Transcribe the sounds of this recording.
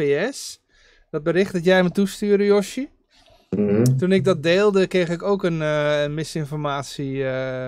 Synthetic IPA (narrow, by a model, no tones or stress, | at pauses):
eɛs | dɔt̚bəɾɪχtdɔtjɛjmətustyːərdəjɔʃə | tunɪɡ̚dɔt̚deːlˠdəkrejxɪkowkənənmɪsɪnfɔrmaːtsiə